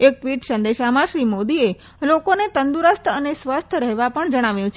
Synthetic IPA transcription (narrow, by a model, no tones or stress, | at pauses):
ek̚ʈʋiʈsənd̪eʃamaʃɾimod̪ie | lokonet̪ənd̪uɾəst̪ʰənesʋast̪ʰəɾɛɦʋapəɳd͡ʒəɽ̃aʋjũt͡ʃʰ